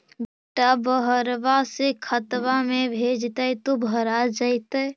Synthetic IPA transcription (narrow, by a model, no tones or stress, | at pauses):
beʈabəɦəɾʋasekʰət̪ʋamebʱed͡ʒt̪ət̪obʱəɾad͡ʒəɪt̪ə